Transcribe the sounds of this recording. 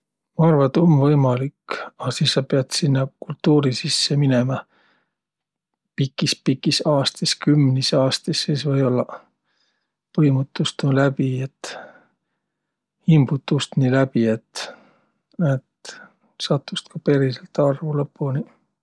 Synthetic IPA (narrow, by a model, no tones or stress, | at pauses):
mɑɑrvɑt̪o̞mvɤjmɑlikːɑsiːsːɑpeɑd̪sinːɑkult̪ːuːɾisisːe̞mine̞mɑ | pikːˑispikːˑisɑːst̪iskymnisɑːst̪isːiːsvɤjo̞lːɑ | pɤjmut̪ːˑust̪ulæbie̞t̪ː | himb̥ut̪ːˑust̪nilæb̥ie̞t̪ | et̪ | sɑt̪ːˑust̪kɑpe̞ɾiselt̪ɑrvulɤpːuni